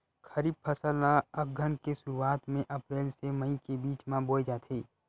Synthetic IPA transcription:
kʰɐɾiːb̚pʰɐsəlaɐɡʱənkesʊɾuaːt̪mẽʔɐpɾeːlseməikebiːt͡ʃmãboːid͡ʒaːt̪ʰeː

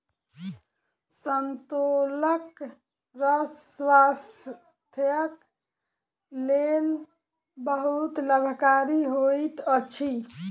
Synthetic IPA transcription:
sənt̪olək | ɾəswas | t̪ʰjək | lel | bəɦut̪ləbʱkaɾiɦojt̪ət͡ʃʰi

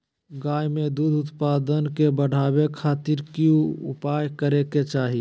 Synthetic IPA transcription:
ɡaːjmed̪ud̪ʱʊt̪paːd̪ənkebəɽ̤ʱaːbekʰaːt̪iɾkjũʊ̰pajkəɾeket͡ʃaːɦi

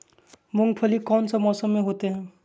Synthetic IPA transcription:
mʊŋɡpʰəlikɔːnsəbmɔːsəmːẽɦoːt̪eɦɛ̃ː

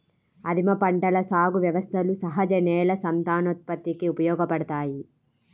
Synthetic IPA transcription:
ɐd̪ʱimɐpɐɳʈɐlɐsaːɡuʋjɐʋɐst̪ʰɐlusɐɦɐd͡ʒɐnɛːlɐsɐmt̪aːnot̪̚pɐt̪ːikiupɐjɔːɡɐpɐɽɐt̪aːji

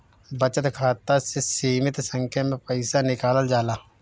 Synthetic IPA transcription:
bət͡ʃət̪kʰaːt̪asesiːmɪt̪sə̃ŋkʰjamẽpəɪsanɪkaːləld͡ʒaːlaː

